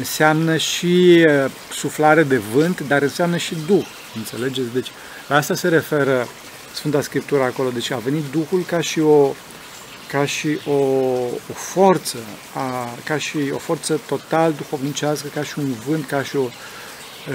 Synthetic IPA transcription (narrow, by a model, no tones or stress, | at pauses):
ɨnseamnəʃiə | suflaɾed̪e̞vɨnt̪d̪aɾɨnseamnəʃid̪ux | ɨnt̪se̞̰le̞d͡ʒe̞t̪sʲd̪e̞t͡ʃʲ | laast̪ase̞ɾe̞fe̞ɾə | sfɨnt̪askɾip̚t̪uɾəːko̞lo̞d̪e̞t͡ʃave̞nit̪̚d̪uxulkaʃio̞ | kaʃiʔoofort̪sə | akaʃio̞̰fo̞rt̪sət̪o̞t̪aləd̪uxo̞vnit͡ʃaskəkaʃiunvɨnt̪kaʃio̞